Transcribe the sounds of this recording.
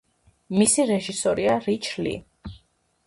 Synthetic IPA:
misiɾɛʒisɔɾiaɾit͡ʃʰlḭ

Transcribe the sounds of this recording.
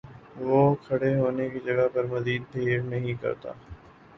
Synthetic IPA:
ʋoːkʰɐɽeɦoːnekid͡ʒɐɡapɐɾmɐziːd̪̚bʰʱeːɾnɐɦĩkɐ̰ɾt̪a̰ː

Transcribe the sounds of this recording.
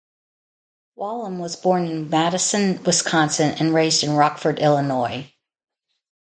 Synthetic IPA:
wɑlˠə̃mwʌzbɔɹnɨ̃nmæɾɨsɨ̃nwɪskʰɑ̃nsɨ̃nʔɨ̰̃nɹeɪzdɨ̃nɹɑkfə˞ɾʔɪlˠənɔɪ

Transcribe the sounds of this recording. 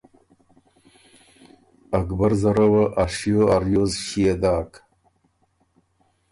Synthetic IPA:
akbaɾzaɾawaʔaʂjoaɾjozɕied̪ɑːk

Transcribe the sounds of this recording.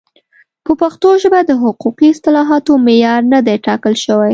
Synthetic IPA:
pəpaxt̪oʒəbad̪əɦʊquqiɪst̪ɪlɑɦɑt̪omejɑɾnad̪eʈɑkəlʃəwaj

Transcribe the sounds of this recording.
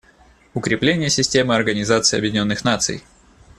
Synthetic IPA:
ʊkɾʲɪplʲenʲɪjəsʲɪsʲtʲe̞mɨɐrɡənʲɪzat̪sɨːɐ̰bjɪdʲɪnʲo̞nːɨxnat̪sɨ̰j

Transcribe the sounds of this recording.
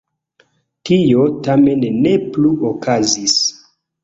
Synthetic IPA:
tʰijotame̞nne̞pluokʰazis

